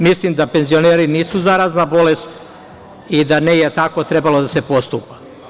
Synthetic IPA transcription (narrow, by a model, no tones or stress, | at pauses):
mislimd̪ape̞nzio̞neːɾiniːsuzaɾaznabo̞lest̪ | id̪anejet̪ako̞t̪ɾe̞balo̞d̪ase̞po̞st̪upḁ